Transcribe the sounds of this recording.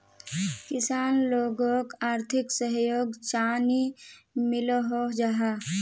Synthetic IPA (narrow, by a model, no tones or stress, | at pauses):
kɪsaːnloːɡokaːɾt̪ʰɪksəɦjoːɡt͡ʃaːnimɪloɦod͡ʒaɦa